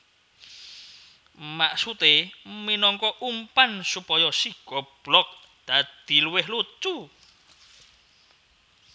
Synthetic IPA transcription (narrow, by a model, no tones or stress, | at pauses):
maʔsut̪eminɔŋkɔʔumpansupɔjɔsiɡ̥ɔb̥lɔk̚ | d̪̥ad̪̥i̤luwɪhlut͡ʃu